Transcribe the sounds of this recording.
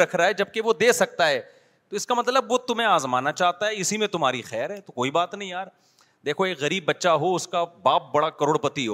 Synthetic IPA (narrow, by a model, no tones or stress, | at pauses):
ɾɐkʰɾaɦɛd͡ʒɐb̚keʋod̪eːsɐk̚t̪aɦɛː | t̪oɪskamɐt̪ləbʋot̪ʊm̤ɦẽaːzmaːnat͡ʃaːɦt̪aɦɛɪsimẽt̪ʊmɦaːɾixɛːɾɦɛːt̪okoːibaːt̪nɐɦĩjaːɾ | d̪eːkʰoeːkɣɐɾiːbːɐtːʃaɦoʊskabaːp̚bɐɽakɐɾoːɽpɐt̪iɦoː